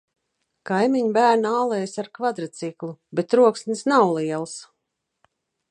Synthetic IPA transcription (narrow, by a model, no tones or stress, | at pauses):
kajmiɲbæːɾnaːlˠɛjsaɾkvad̪ɾat̪siklˠubet̪ɾuɔksnʲisnawlˠiɛlˠs